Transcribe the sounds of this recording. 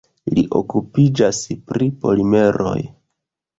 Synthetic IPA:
liʔo̞̰kupid͡ʒaspɾipo̞lime̞ɾo̞̰j

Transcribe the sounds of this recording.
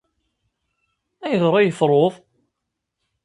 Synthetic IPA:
æjəðɾˤɑjəfɾˤoðˤ

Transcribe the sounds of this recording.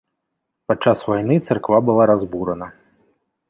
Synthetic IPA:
pat͡ʂːasvajnɨt̪sɨrkvabɨlˠaɾazbuɾɐnɐ

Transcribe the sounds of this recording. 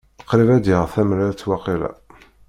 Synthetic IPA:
əqːɾivæd̪ɪʁθæmɾæt͡sːwɑqilæ̰

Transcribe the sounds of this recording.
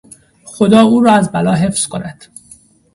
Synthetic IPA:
xo̞d̪ɒːuːɾɒːæzbælɒːɦe̞fz̥kʰo̞næd̪̥

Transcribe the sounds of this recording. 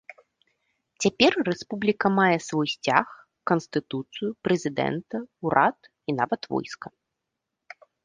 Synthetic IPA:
t͡sʲapʲɛrːɛspublʲikɐmajɛsvɔjsʲt͡sʲa̰x | kɐnst̪ɨt̪ut̪sɨjupɾɛzʲid̪ɛ̰nt̪ɐuɾʔat̪ | ina̰vɐt̪vɔ̰jskɐ

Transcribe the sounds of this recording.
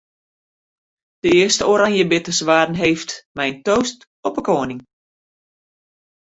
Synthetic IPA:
d̥əɪəstəoɾaŋjəbɪtəsʋaːdn̩ɦeːftmɛjntoːst | ɔpəkoənɪŋ

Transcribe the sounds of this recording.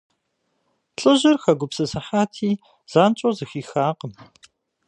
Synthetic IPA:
ɬʼɨʑɪrxɐɡʷʊpsɨsɐħaːtʰiː | z̥aːnt͡ʃʼozɨxiːxaːqəm

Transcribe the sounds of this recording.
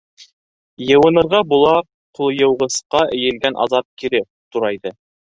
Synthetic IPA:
jɤ̆wɤ̆nɤ̆ɾʁɑbulˠɑ | qulˠjɤ̆wʁɤ̆sqɑʔɘ̆jɘ̆lɡænʔɑ̰zɑt̚kiɾɘ | t̪uɾɑjðɤ

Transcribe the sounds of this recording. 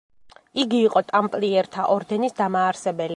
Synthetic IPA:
iɡiːqʼɔt̪ʼampʼliɛɾt̪ʰaʔɔɾd̪ɛnisd̪amaːɾsɛbɛli

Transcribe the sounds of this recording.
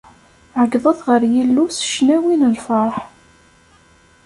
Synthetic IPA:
ʕəɡðˤəθʁəɾjilːusə̥ʃnæwinəlfɑɾˤħ

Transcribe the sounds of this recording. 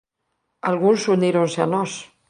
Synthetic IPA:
alɣunsuniɾonseanɔs

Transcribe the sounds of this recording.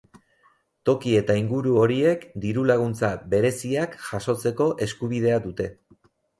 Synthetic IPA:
t̪o̞kie̞t̪aiŋɡuɾuo̞ɾie̞kd̪iɾulaɣ̞unt͡saβe̞ɾe̞siakʝaso̞t͡se̞ko̞ʔe̞skuβ̞ið̞e̞ad̪ut̪e̞

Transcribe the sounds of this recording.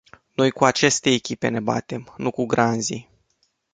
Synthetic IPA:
no̞jkuat͡ʃe̞st̪e̞ːkʲipe̞̰ne̞ba̰t̪e̞mnukuɡɾanzḭ

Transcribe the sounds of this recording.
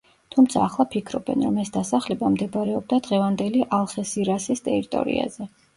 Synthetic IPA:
t̪ʰumt̪sʰaːχlˠapʰikʰɾɔbɛ̰nɾɔmɛsd̪asaχlɛbamd̪ɛbɾɛɔb̚d̪ad̪ʁɛvand̪ɛliʔalˠχɛsiɾasist̪ʼɛɾit̪ʼɔ̰ɾḭa̰zɛ

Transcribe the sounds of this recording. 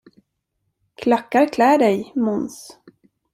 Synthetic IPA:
kʰlakːaɾkʰlæːɖɛjmʊns

